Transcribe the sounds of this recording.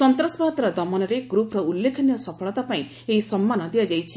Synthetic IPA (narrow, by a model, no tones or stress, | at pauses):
sɔnt̪ɾɔsbaɔt̪ɾɔd̪ɔmɔnɔɾeɡɾupɔɾɔulːekʰɔnjɔsɔpʰɔɭɔt̪apaĩ | eɦisɔmːanɔd̪ijad͡ʒajt͡ʃʰi